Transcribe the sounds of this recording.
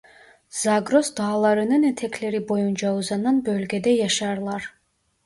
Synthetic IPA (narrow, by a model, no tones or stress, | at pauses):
z̥ɑɡɾosd̪ɑːlˠɑɾɯnɯnet̪ʰekʰle̞ɾibo̞jund͡ʒɑuzɑnːɑnbølʲɡʲed̪ejɑʃɑɾlˠɑɾ